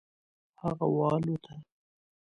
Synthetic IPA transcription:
haɣawɑlot̪ʰa

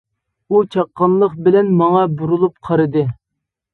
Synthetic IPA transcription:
ut͡ʃʰɑqːɑnlˠəχbɪlɛnmɑŋɑbuɾulˠup̚qʰɑɾɨd̪ɨ

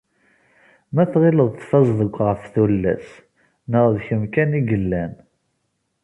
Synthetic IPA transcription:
mæθʁiləðˤθfɑzˤðəɡʷʁəfθulːæ̰s | nəʁðçəmkæniɡəlːæn

